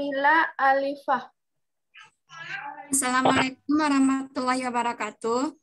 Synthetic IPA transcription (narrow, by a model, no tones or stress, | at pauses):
ilaalifah | asalamalek̚ʊmwaɾɑhmat̪ulahiwabaɾakat̪uh